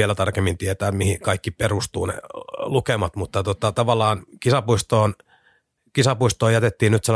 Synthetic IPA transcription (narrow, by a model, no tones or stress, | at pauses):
ielæt̪ɑrkemːint̪iet̪æːmihikɑikːiperust̪ṵːnḛlukemɑt̪mut̪ːɑt̪ot̪ɑt̪ɑʋɑlːˑɑːnkisɑpuist̪oːn | kisɑpuist̪oːjæt̪et̪ːiːnnyt̪sel